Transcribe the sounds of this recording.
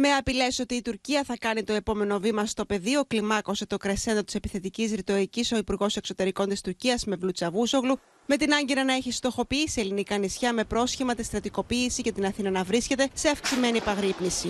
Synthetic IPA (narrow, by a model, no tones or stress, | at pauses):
me̞ɐpile̞so̞t̪iːt̪uɾciɐθɐkɐnit̪o̞e̞po̞me̞no̞vimɐst̪o̞pe̞ðio̞klimɐko̞set̪o̞kɾese̞nd̪ot̪i̥se̞piθe̞t̪icisɾit̪o̞ɾiciso̞ipuɾɣo̞se̞kso̞t̪e̞ɾiko̞nt̪ist̪uɾciɐzme̞vlut͡sɐvuso̞ɣlu | me̞t̪inɐɲɟeɾɐnɐeçist̪oxo̞piisie̞linikɐnisçɐme̞pɾo̞sçimɐt̪ist̪ɾɐt̪iko̞piːsice̞t̪inɐθinɐnɐvɾisce̞t̪ese̞ɐfksime̞nipɐɣɾipnisi